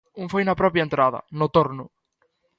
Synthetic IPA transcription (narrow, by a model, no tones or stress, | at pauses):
uŋfojnɐpɾɔpjaent̪ɾaðɐ̰nʊt̪oɾnʊ